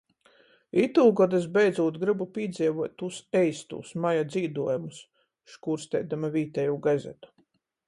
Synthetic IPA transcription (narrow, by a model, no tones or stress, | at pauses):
it̪uːɡɔd̪ɨsbɛjd̪zuːt̪ɡɾɨbupʲiɛd̪zʲiɛvuɔt̪̚ːusɛjst̪ṵːsmajad̪ziːd̪uɔjumus | ʃkuːɾst̪ɛ̰jd̪amavʲiːt̪ɛjuːɡazʲɛ̰t̪u̥